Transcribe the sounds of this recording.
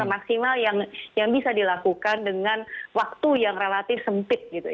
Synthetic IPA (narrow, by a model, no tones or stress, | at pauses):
maksimaljaŋjaŋbisadilakukandəŋanwak̚t̪ujaŋrelat̪ɪfsəmpɪt̪̚ɡit̪u